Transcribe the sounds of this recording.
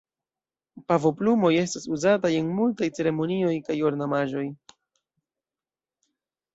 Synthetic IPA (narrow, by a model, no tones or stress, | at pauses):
pavo̞plumo̞je̞stasuzataje̞nmultajt͡se̞ɾe̞mo̞nio̞jkajo̞ɾnamaʒo̞j